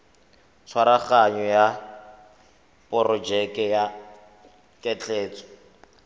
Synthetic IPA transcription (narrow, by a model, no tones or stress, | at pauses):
t͡sʰwaɾaχaɲɔja | pʼɔɾɔd͡ʒɛkʼɛja | kʼɛt͡ɬeːt͡sɔ̥